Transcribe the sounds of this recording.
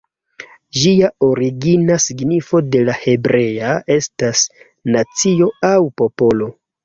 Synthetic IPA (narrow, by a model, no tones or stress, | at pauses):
d͡ʒiao̞ɾiɡinasiɡnifo̞de̞lahe̞bɾe̞ae̞stas | nat͡sio̞awpo̞po̞lo̞